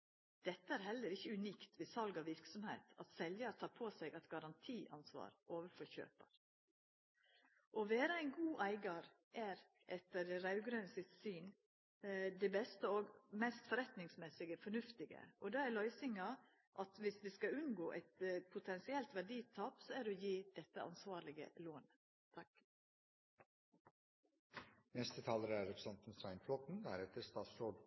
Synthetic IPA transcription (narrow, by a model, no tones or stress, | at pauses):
d̪̥ɛt̪ːəæɾhɛlːəɾɪçːəʉniːkt̪ʰʋɪsɑlɡɑʋɪɾksɔmhḛɪt̪ɑ̰t̪sɛljɑɾt̪ʰɑːɾpʰoːsɛɡɑt̪ɡɑɾɑnt̪ʰiːʔɑ̰nsʋɑ̰ːɾoːʋəfɔçø̰ːpəɾ | ʔɔʋeːɾəæɪnɡuːʔæɪɡɑɾ | ʔæɾ | ʔɛt̪ːəɖɛɾɑʉɡɾœnəsɪt̪syːn | d̪ɛbɛst̪əoːɡmɛst̪fɔɾɛt̪nɪŋsmɛsɪɡəfɔɳʉft̪ɪɡə̰ʔɔd̪ɑːælœʏsɪŋɑ | ʔɑt̪ʋɪsʋiːskɑʉnɡoːʔæ̰ɪt̪pʰʊt̪ʰɛnsɪɛlt̪ʋæɖiːt̪ʰɑːpsɔæd̪ɔjiːd̪̥ɛt̪ːəʔɑ̰nsʋɑːɾlɪɡə̰loːn | t̪ʰɑk | nɛst̪ət̪ʰɑːləɾəæɾɛpɾəsɛnt̪n̩sɑɪnfʰlɔt̪n̩d̪æ̰ɾɛt̪əɾst̪ɑːt̪soːɖ